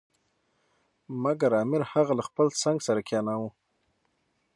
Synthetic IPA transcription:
maɡaɾɑmɪɾhaɣalaxpəlt͡saŋɡsaɾakʲjɑnawu

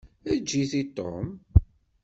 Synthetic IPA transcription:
æd͡ʒːiθit̪ˤːo̰m

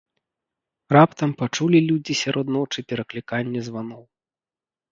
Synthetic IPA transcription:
rapt̪ɐmpat͡ʂulʲilʲud͡zʲisʲaɾʔɔd̪nɔt͡ʂɨpʲɛɾɐklʲikanʲːɛzvanɔw

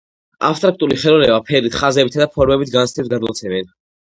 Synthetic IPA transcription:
a̰pst̪ʼɾak̚t̪ʼuliχɛlɔnɛbapʰɛɾit̪χazɛbit̪ʰad̪apʰɔɾmɛbit̪ʰɡanst̪is̚ɡad̪lɔt̪sʰɛvɛn

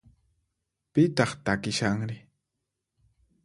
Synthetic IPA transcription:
pɪt̪ɑχt̪akɪʃaŋɾɪ

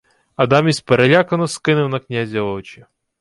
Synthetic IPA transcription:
ɐd̪ɑmʲisʲpeɾelʲakɐnɔskɪnɪwnɐknʲazʲiɔt͡ʃi

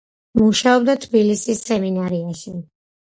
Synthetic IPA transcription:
muʃaɔb̚d̪at̪ʰbilisisːɛminaɾiaʃi

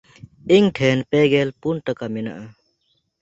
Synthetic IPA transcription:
iŋʈʰɛnpɛɡɛlpunʈakamɛna̰ʔa

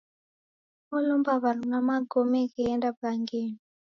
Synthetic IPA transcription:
olumbaβaɾnamaɡomɛkɛːndabaŋɡeni

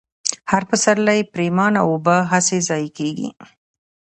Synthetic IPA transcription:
haɾpəsaɾlajepɾemɑnawobəɦasezɑjkeɡḭ

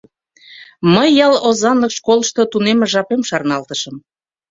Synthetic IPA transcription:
məjːɑlozɑnləkʃkoləʃt̪ot̪unemeʒɑpemʃɑrnɑlt̪əʃəm

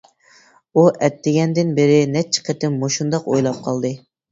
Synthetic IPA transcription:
uʔɛt̪ːɪɡʲɛnd̪ɪnbɪɾɪnɛt͡ʃʰːi̥qʰət̪ɪmːoʃund̪ɑqo̰jlˠɑp̚qʰɑlˠd̪ɨ

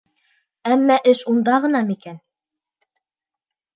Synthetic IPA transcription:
æmːæʔɘʃund̪ɑʁɤ̆nɑmikæn

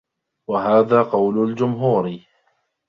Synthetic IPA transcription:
waɦaːðaːqɑwlʊld͡ʒʊmɦuːɾ

